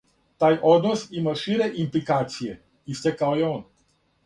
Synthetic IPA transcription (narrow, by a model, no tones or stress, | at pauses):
t̪ajʔod̪nosimaʃiɾeʔimplikat̪sije | ist̪ekaojeon